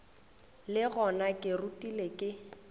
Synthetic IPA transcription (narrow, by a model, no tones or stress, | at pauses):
lɪɣɔnakʼɪrutʼilekʼɪ